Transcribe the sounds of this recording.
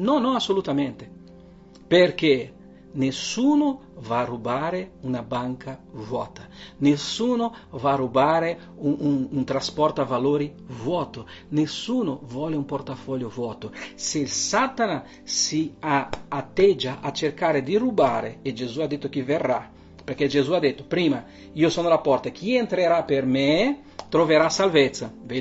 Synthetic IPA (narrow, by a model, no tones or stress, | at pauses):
nɔnːɔasːolut̪ament̪e | perk̟e | nesːuːnʊ | varːubaːɾeunabaŋkʰavwɔːt̪anesuːnovarubaːɾe | uununt̪ɾaspɔrt̪oavaloːɾi | vwɔːt̪o | nesːuːnovwɔleumport̪afɔʎjovwɔːt̪oselsat̪ana | siaːt̪ːɛd͡ʒaʔat͡ʃerkaɾed̪irubaːɾeed͡ʒezuad̪et̪ːokiverːa | peɾk̟ed͡ʒezuad̪ːet̪ːopɾiːma | iosoːnolapɔrt̪ak̟ʰient̪ɾeɾaperme | t̪ɾoveɾasalvet̪sːave